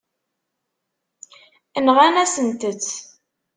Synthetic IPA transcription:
ənʁænæsənt̪ət͡sː

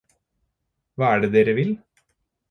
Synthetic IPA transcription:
ʋɑːæːɖeːd̪eːɾəʋɪl

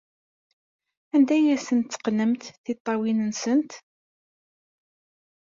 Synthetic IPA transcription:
ænd̪æjæsənt̪t͡sːə̥qnəmt̪θit̪ˤːɑwinənsənt̪

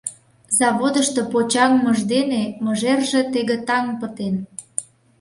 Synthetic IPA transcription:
zɑβod̪əʃt̪opot͡ɕɑŋməʒd̪eneməʒerʒet̪eɣet̪ɑŋpət̪en

